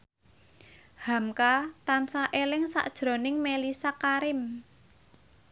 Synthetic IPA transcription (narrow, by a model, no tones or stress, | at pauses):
hamkat̪ansaʔelɪŋsa̰ʔd̥ʒ̥ɾo̤nɪŋmelisakaɾɪm